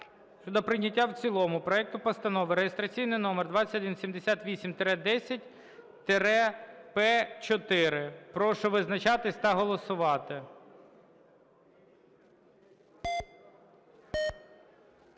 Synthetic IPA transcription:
ʃɔd̪ɔpɾɪnʲːɐtʲːawt͡sʲilˠɔmʊpɾɔɛk̚t̪ʊpɔst̪ɐnɔʋɪɾejest̪ɾɐt͡sʲijnɪjnɔmɛrd̪ʋɑt͡sʲɐtʲɔd̪insʲimd̪esʲat̪ʋʲisʲimt̪eɾɛd̪ɛsʲɐt̚ʲ | t̪eɾɛpɛt͡ʃɔt̪ɪɾɪpɾɔʃɔʋɪznɐt͡ʃɑt̪ɪsʲt̪ɐɦɔlˠɔsʊʋɑt̪ɪ

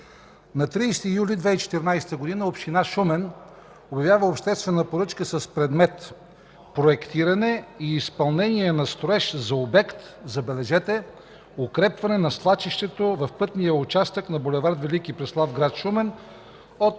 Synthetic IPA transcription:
nɐt̪ɾiːst̪ijulid̪vɛit͡ʃɛ̥t̪iɾnajst̪əɡod̪inəopʃt̪inaʃumɛn | objɐvʲjavəopʃt̪ɛst̪vɛnəpoɾɤt͡ʃkəsɐspɾɛd̪mɛt̪ | pɾoɛkt̪iɾɐnɛiːspɐlˠnɛniɛnɐst̪ɾoɛʃzɐobɛkt̪zɐbɛlɛʒɛt̪ɛ | okɾɛpvɐnɛnɐslˠat͡ʃiʃt̪ɛt̪ovɐfpɤt̪nijəʊt͡ʃast̪əknɐbolɛvaɾd̪vɛlikipɾɛslˠavɡɾat̪ʃumɛn | ot̪

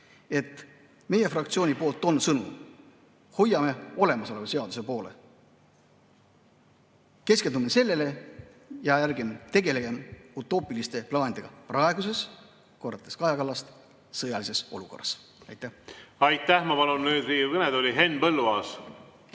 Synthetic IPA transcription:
e̞t̪ːˑ | me̞je̞frɑkt̪sio̞ːnʲipo̞ːlt̪ːˑo̞nsɤnu | ho̞jɑme̞o̞le̞mɑso̞levɑse̞ɑd̪use̞po̞ːle̞̰ | ke̞ske̞nd̪umese̞lːe̞lejɑjærɡimt̪e̞ɡe̞le̞ɡe̞mut̪ːˑo̞ːpˑilist̪e̞plɑːnʲid̪e̞ɡ̥ɑprɑeɡ̥use̞s | ko̞rːɑt̪ːˑeskɑjɑkɑlːɑst̪ | sɤjɑlise̞so̞luko̞̰rːɑs | ɑ̰jt̪ːˑæhɑjt̪ːˑæhmɑpɑlunnyːd̪riːukɤned̪olʲiɦe̞nːpɤlːuɑs

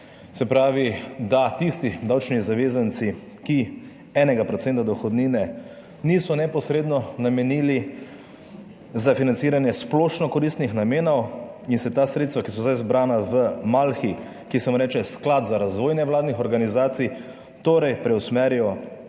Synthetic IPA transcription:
sɛpɾaːʋid̪at̪ist̪id̪aːwt͡ʃnizaʋeːzant̪si | ki | ɛːnɛɡapɾɔt̪sɛːnt̪ad̪ɔxɔd̪niːnɛ | nisɔnɛpɔsɾeːd̪nɔnamɛniːli | zafinant̪siːɾanjɛsplɔʃnɔkɔɾist̪nixnameːnɔwinsɛt̪aːsɾet̪st̪ʋakisɔzajzbɾaːnaʋəmalxi | kisɛmuɾɛːt͡ʃɛsklaːt̪zaɾazʋoːjnɛwlaːd̪nixɔɾɡanizaːt̪sij | t̪oːɾɛjpɾɛwsmɛːɾjjɔ

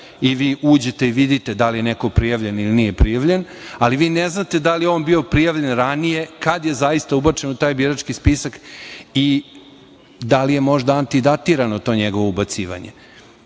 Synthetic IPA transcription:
iʋiːʔuːd͡ʑet̪e̞iʋid̪it̪ed̪alije̞nekopɾijaʋʎenilinije̞pɾijaʋʎe̞n | aliʋiːneznat̪e̞d̪alijo̞ːnbio̞pɾijaʋʎenɾanije̞kad̪je̞zajist̪aubat͡ʃe̞nut̪aːjbiɾat͡ʃkispisaki | d̪alijemo̞ʒd̪aant̪id̪at̪iɾanot̪o̞ːɲeɡo̞ʋo̞ubat̪siːʋa̰ɲe

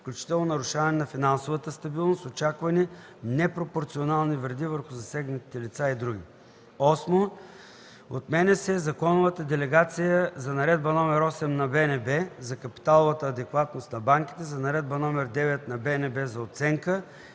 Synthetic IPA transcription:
fklʲut͡ʃi̥t̪ɛlˠnonɐɾʊʃavɐnɛnɐfinansovət̪əst̪ɐbilˠnost̪ot͡ʃakvɐni | nɛpɾopoɾt̪sionalˠnivɾd̪ivəɾxʊzɐsɛɡnət̪i̥t̪ɛlit̪said̪ɾuɡ̟ʲi | ɔsmo | ot̪mɛnɛsɛzɐkɔnʊvət̪əd̪ɛlɛɡat̪sijəzɐnɐɾɛd̪̚bɐnɔmɛɾɔsɛmnɐbɛnɛbɛzɐkɐpi̥t̪alˠovət̪əːd̪ɛkvat̪nost̪nɐbaŋk̟ʲi̥t̪ɛzɐnɐɾɛd̪̚bɐnɔmɛɾd̪ɛvɛt̪̚nɐbɛnɛbɛzɐot̪sɛŋkə

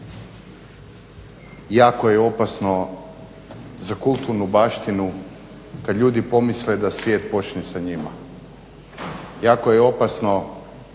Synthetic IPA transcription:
jaːko̞jeo̞pasno̞ | zakulˠt̪uɾnubaːʃt̪inu | kad̪ʎʲuːd̪ipo̞misled̪asʋjeːt̪po̞t͡ʃnesaɲima̰ | jaːko̞jeo̞pasno̞

